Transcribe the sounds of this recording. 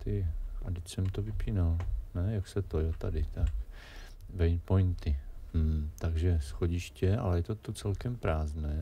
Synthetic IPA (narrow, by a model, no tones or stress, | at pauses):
t̪ɪʔadɪcsɛmt̪ovɪpiːnalnɛjaksɛt̪ojot̪a̰dɪt̪ak | vɛjpojnt̪ɪmm̩t̪aɡʒɛsxoɟɪʃcɛʔa̰lɛjɛt̪ot̪ot͡sɛlkɛmpɾaːznɛː